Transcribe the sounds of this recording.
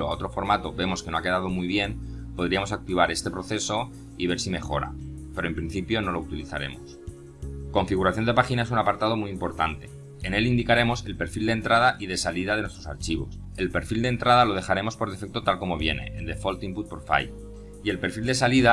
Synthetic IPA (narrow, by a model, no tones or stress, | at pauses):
oao̞t̪ɾo̞fo̞ɾmat̪o̞be̞mo̞skeno̞ake̞ð̞að̞o̞mujβ̞je̞npo̞ð̞ɾiamo̞sak̚t̪iβ̞aɾe̞st̪e̞pɾo̞θe̞so̞ | iβ̞e̞ɾsime̞xo̞ɾa̰ | pe̞ɾo̞e̞mpɾinθipjo̞no̞lout̪iliθa̰ɾe̞̰mo̞̰s | ko̞ɱfiɣ̞uɾaθjond̪e̞paxinaesunapaɾt̪að̞o̞muimpo̞ɾt̪ant̪e̞ | ene̞lind̪ikaɾe̞mo̞se̞lpe̞ɾfild̪ent̪ɾað̞aʔiðe̞saliðaðe̞nwet̪ɾo̞sa̰ɾt͡ʃiβo̞̰s | e̞lpe̞ɾfild̪ent̪ɾað̞alo̞ð̞e̞xaɾe̞mo̞spo̞ɾðefek̚t̪o̞t̪alko̞mo̞β̞je̞ne̞̰ʔend̪e̞fo̞lt̪imput̪̚poɾfa̰j | ie̞lpe̞ɾfild̪e̞saliða